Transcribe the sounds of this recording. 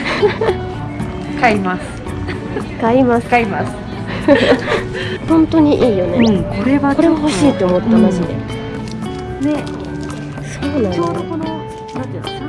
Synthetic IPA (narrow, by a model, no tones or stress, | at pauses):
kaimasɨ̥ | kaimasaimasɨ̥ | hõ̞nt̪o̞ɲ̟iʔiːjo̞nekoɾeβako̞ɾe̞βaho̞ɕiːt̪ːeomo̞t̪ːamaɕid̪e̞̰ | ne | soːnãnono | nãt̪e